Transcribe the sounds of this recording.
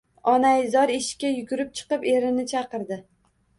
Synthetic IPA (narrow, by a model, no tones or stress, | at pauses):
ɒnajɪzɒɾeʃkʲajʊɡʲʊɾɪp̚t͡ʃʰɨ̥qɨpe̞ɾɪnɪt͡ʃʰɑqɨɾd̪ɪ